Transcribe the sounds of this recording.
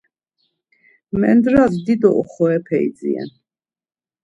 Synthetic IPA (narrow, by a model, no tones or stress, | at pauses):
mɛnd̪ɾazd̪id̪ɔʔɔχɔɛpʰɛḭd̪d͡ziɛ̰n